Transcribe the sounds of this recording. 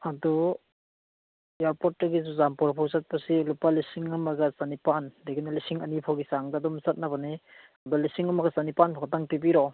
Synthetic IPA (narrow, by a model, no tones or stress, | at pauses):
adɔ | jaɾpotːɐɡiz̬uzampuɾpʰɔwsat̚pɐsilupalisiŋɐmɐɡɐsanipandeɡinalisiŋɐnipʰawɡisaŋdadɔmsat̚nɐbani | adɔlisiŋɐmɐɡɐsanipanpʰakataŋtibiɾɔ